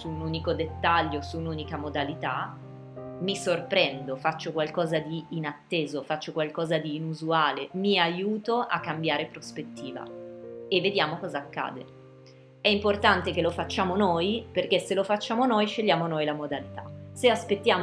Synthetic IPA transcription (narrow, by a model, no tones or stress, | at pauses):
suːnuːnikod̪et̪ːaʎːosuːnuːnikamod̪alit̪a | misorpɾɛnd̪ofat͡ʃːokwalkɔːzad̪iːnat̪ːeːzofat͡ʃːokwalkɔːzad̪iːnuzuaːlemiajuːt̪oʔakːambjaːɾepɾospet̪ːiːva̰evːed̪jaːmokɔːzaːkːa̰ːd̪ḛ | ɛimport̪ant̪ekelofat͡ʃːaːmonojperk̟eselofat͡ʃːaːmonojʃeʎːjaːmonojlamod̪alit̪aseaspet̪ːjaːm